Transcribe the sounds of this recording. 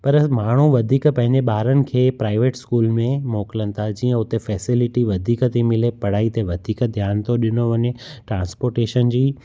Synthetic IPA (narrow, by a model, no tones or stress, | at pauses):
pɐɾmaːɳ̤uʋɐd̪ʱiːkpɐ̃ɦɪ̃ɲd͡ʑeɓaːɾənɪ̆kʰeːpɾaːɪʋeːʈskuːlmẽmoːkɪlənɪ̆t̪ʰad͡ʑiːə̃ʊt̪efɛːsɪlɪʈiʋɐd̪ʱiːkət̪imɪlepɐɽ̤aːit̪eʋɐd̪ʱiːkd̪ʱjaːnt̪ʰoɗɪnoʋɐɲeʈɾãːnspoːɾʈeːʃənd͡ʑiː